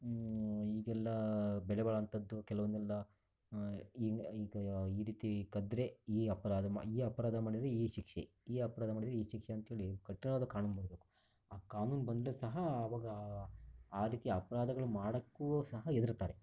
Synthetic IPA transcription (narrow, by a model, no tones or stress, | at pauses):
iːɡɛlːɐbɛɭɛbɐɭɐnt̪ʰɐd̪ːukɛlɐʋɐnd̪ɛlːɐ | iːiːɡɐiːɾiːt̪ikɐd̪ɾeiːɐpɐɾaːd̪ɐma̰iːɐpɐɾaːd̪ʱɐmaːɽid̪ɾeiːʃikʂe | iːɐpɐɾaːd̪ɐmaːɽid̪ɾeiːʃikʂeɐnt̪ɐɦeːɭikɐʈːinoːd̪ɐkaːnunbɐːɽɐbeːku̥ | aːkaːnuːnbɐnd̪ɾusɐɦɐːʋaːɡɐ | aːɾiːt̪iɐpɐɾaːd̪ɐɡɐɭumaːɽɐkːuosɐɦɐed̪iɾt̪aːɾe